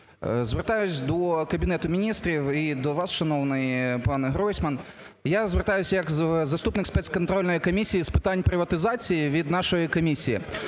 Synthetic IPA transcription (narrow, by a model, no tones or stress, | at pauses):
zʋert̪ajʊt͡sʲd̪ɔkɐbʲinɛt̪ʊmʲinʲist̪ɾʲiwid̪ɔʋasʃɐnɔwnɪjpɑnɦɾɔjsʲmɐn | jazʋert̪ajʊsʲɐjɐkzɐst̪upnɨkspɛt̪skɔnt̪ɾɔlʲnɔjikɔmʲisʲijispɨ̥t̪anʲpɾɪʋɐt̪ɪzat͡sʲijiʋʲid̪naʃɔjikɔmʲisʲijḭ